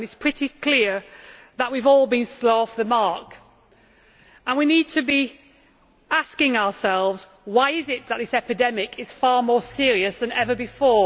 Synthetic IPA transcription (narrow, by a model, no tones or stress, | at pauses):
nɨtspʰɹ̥ɪtikʰl̥ɪə | ðəʔwivɔːlˠbɨ̃nsloʊɔfðəmɑɹk | ə̃nwiniːd̚tʰɨbi | askɪ̃ŋəəsɛlˠvz | waɪɪzɪt̪̚ðəʔ̪̚ðɪsɛpɨdɛmɪkʰɪz̥fɑɹmɔːɹsɪəɹiɨsðə̃nɛvə˞bɨfɔː